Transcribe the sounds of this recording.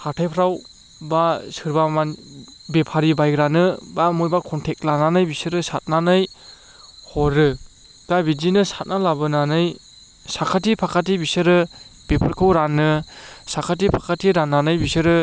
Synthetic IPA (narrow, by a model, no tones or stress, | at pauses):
hʰatʰajpʰɾaw | basɯɾbamanbepʰaɾibajɡɾanɯbamojbakʰɔntʰek̚lananajbisɯɾɯsat̚nanɯj | hɔɾɯ | ɡ̥abidinɯsat̚nalabɯnanɯj | sakʰatipʰakʰat̬ibisɯɾɯ | b̥epʰɯɾkʰɯwɾanɯsakʰat̬ipʰakʰatiɾanːanɯjbisɯɾɯ